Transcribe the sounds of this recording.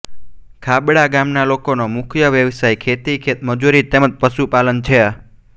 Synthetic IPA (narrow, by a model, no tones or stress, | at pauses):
kʰabɽaɡamnalokonomukʰjəʋjəʋsajkʰet̪ikʰet̪məd͡ʒuɾit̪eməd͡ʒpəʃupalənt͡ʃʰe